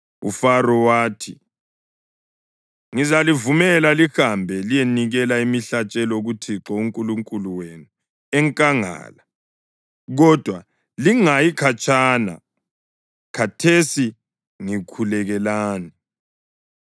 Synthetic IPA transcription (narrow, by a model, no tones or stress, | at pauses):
ṵfarɔwaːtʰi | ŋizalivumɛlalixambʱɛlijeniɣɛlaimiɬat͡ʃʼɛlɔoɣutʰiǁɔuŋkʼuluŋkʼuluwenu | ɛŋkʼaŋa̰ːla | ɣɔd̥ʱwa | liŋajikʰat͡ʃʼaːna̰ | kʰatʰesi | ŋikʰulɛɣɛlaːni